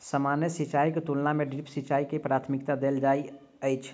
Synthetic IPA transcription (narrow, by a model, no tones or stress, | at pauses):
səmanjəsit͡ʃaiket̪ulnameɖɾipsit͡ʃaikepɾaːt̪ʰmikt̪ad̪eld͡ʒai | əɪt͡ʃʰ